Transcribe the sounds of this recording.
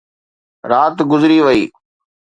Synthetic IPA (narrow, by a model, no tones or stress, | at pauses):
ɾaːt̪ɡʊzɾiːʋəḭː